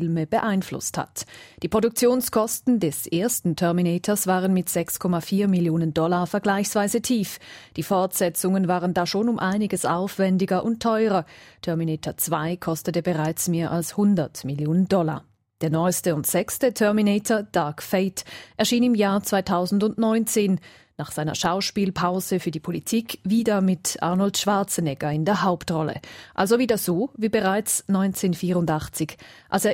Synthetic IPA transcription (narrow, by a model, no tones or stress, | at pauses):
ɪlməb̥əʔaɪnflʊ̰stha̰td̥iːpʁ̥odʊk̚t͡sjoːnskʰɔstn̩dɛsʔeːɐstn̩tʰœɐminɛːtʰɐsv̥aːʁənmɪtz̥ɛkskʰɔmafiːɐmɪljoːnəndɔlafɛɐɡlaɪçsv̥aɪzətʰiːfd̥iːfɔɐtz̥ɛt͡sʊŋənvaːʁəndaːʃoːnʊmʔaɪnɪɡəsʔa̰ʊfv̥ɛndɪɡɐʔʊnttʰːɔʏʁɐtʰœɐminɛːtʰɐt͡sv̥aɪkʰɔstətəbəʁaɪt͡smeːɐʔalshʊndɐtmɪljoːnəndɔla̰ː | d̥eːɐnɔʏstəʊntz̥ɛkstətʰœɐminɛːtʰɐd̥aɐkfeɪtʔɛɐʃiːnɪmjaːɐt͡sv̥aɪtʰaʊzn̩dʊntnɔʏnt͡seːn | naːχz̥aɪnɐʃaʊʃpiːlpʰaʊzəfyːɐdiːpʰolitʰiːkviːdɐmɪtʔa̰ʁnɔltʃv̥aɐt͡sənɛɡɐɪndeːɐɦaʊptʁɔlə̰ʔalzoviːdasz̥oːviːbəʁaɪt͡snɔʏnt͡seːnfiːʁʊndaχt͡sɪçʔalseːɐ